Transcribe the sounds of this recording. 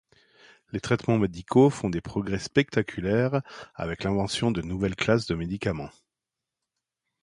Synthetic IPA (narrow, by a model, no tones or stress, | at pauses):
let̪χɛt̪mɑ̃med̪ikʰofɔ̃d̪epχɔɡʁɛspɛk̚t̪akʲʰylɛʁa̰vɛklɛ̃vɑ̃sjɔ̃d̪ənuvɛlklasd̪əmed̪ikamɑ̃